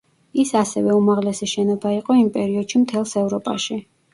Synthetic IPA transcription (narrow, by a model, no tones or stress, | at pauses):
isasɛvɛumaʁlɛsiʃɛnɔbaiqʼɔimpʼɛɾiɔd̪̥ʃimt̪ʰɛlˠsɛvɾɔpʼa̰ʃi